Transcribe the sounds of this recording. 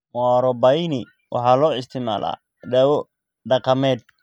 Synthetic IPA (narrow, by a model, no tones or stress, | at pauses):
wɑɾɔbɐjnɪ | wʔɑ̰ħɑːlɔːɪst̪ʰɪma̰ːlʔa̰ː | ɖɐwɔ | ɖɑqɑmɛːd̪̚